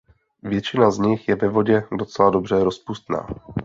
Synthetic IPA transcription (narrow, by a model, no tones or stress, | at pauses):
vjɛt͡ʃɪnazɲɪxjɛvɛvo̞ɟɛdo̞t͡sɛladobr̝ɛɾo̞spust̪na̰ː